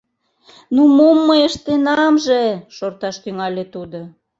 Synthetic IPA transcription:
numomːəjəʃt̪enɑmʒeʃort̪ɑʃt̪yŋɑlʲet̪ud̪o

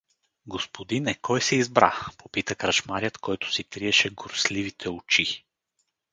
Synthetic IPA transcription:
ɡospod̪inɛkʰɔjsɛizbɾa̰popit̪əkɾɐʃmaɾʲjət̪kɔjt̪ʊ̥sit̪ɾiɛʃɛɡoɾslivit̪ʰɛot͡ʃi

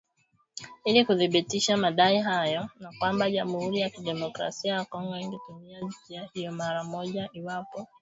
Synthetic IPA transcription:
ilikuðiɓitiʃamaɗaiɦajɔnakwambaʄamuhuɾijakiɗɛmɔkɾa̰siajakɔŋɡɔiŋɡɛtumiazipiahijɔmaɾamɔʄaʔiwapɔ

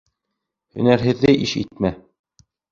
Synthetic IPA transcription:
hɵ̰̆næɾɦɘ̆ðːɘʔiʃḭt̪̚mæ

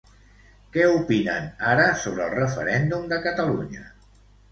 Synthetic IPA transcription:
kɛupinə̰naɾəsoβ̞ɾəːlˠrəfə̰ɾɛnd̪umd̪əkət̪əluɲə

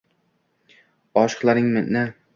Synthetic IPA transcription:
ɒʃɨ̥qlˠaɾɪŋmɪnɪ

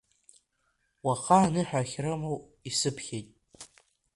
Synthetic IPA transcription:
waqʰaːnɨħᶣaχʲrɨmow | isɨpʰχʲejtʼ

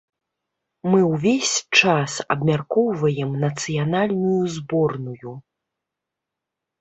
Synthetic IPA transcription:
mɨwvʲesʲt͡ʂasɐ̰bmʲarkɔwvɐjɛmnɐt̪sɨjanalʲnujuzbɔrnuju

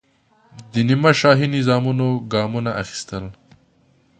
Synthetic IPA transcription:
d̪ənimaʃɑːɦinɪzɑmunoɡɑːmunaʔaxi̥st̪əl

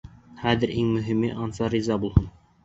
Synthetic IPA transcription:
χæðɘɾʔiŋmɵ̆ɦimɘʔɑnsɑɾizɑbulˠhɤn

